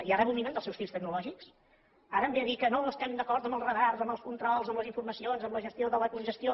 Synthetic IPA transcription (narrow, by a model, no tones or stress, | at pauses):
iarɛβuminend̪əlsɛwsfist̪əɡ̚nulɔʒiks | aɾəmbeəðikənoəst̪ɛmd̪əkɔɾt̪əmbəlˠrəɣarzəmbəlˠskunt̪ɾɔlˠzəmbləziɱfuɾməsionzəmləʒəst̪ioðələkunʒəst̪io